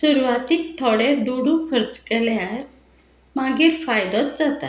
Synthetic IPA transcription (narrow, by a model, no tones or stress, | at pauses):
suɾʋat̪ikt̪ʰɔɽeɾd̪oɽũkʰəɾd͡zkɛljaɾ | maɡefajd̪ɔt̪̚d͡zat̪a̰